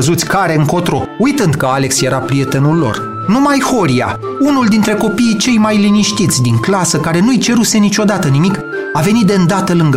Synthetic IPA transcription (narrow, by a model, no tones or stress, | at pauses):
əzut̪sʲkaɾe̞ɨŋko̞t̪ɾo̞̰ujt̪ɨnd̪kəale̞ksjeɾapɾije̞t̪e̞nulːo̞̰r | numajho̞ɾia̰ | unuld̪int̪ɾe̞ko̞piːt͡ʃe̞jmajliniʃt̪it̪sʲd̪iŋklasəkaɾe̞nuijt͡ʃe̞ɾuse̞nit͡ʃo̞d̪at̪ənimik | ave̞nit̪̚d̪e̞ɨnd̪at̪əlɨŋɡ